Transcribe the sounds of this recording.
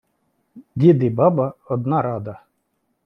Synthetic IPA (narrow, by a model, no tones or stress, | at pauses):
dʲid̪ɪbɑbɐɔd̪nɑɾɑd̪ɐ